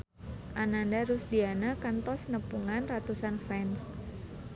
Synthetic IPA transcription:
ʔanandaɾʊsdianakant̪ɔsnəpuŋanrat̪usanfɛns

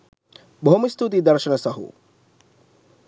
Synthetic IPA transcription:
bʱomist̪ut̪̬id̪ɐɾʃɐnɐsɐɦṵ

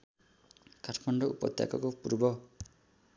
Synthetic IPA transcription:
kaʈʰmɔɳɖɔupɔ̰t̪ja̰kɔkopuɾbɔ

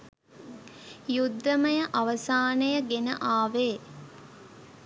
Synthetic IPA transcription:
jud̪ːəməjəʔaʋəsaːnəjəɡenə̰ʔaːʋeː

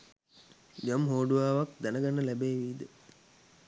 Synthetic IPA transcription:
d͡ʒamɦoːɖuʋaːʋak̚d̪ænəɡanːəlæbeːʋiːd̪ə

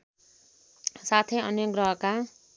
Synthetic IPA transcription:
sat̪ʰeʌnjʌɡɾʌɦʌka

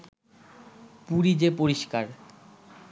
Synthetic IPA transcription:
puɾid͡ʑepoɾiʃkaɾ

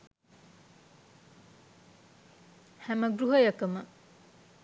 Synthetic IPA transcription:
hæmɐɡɾuɦɐjɐkɐmə

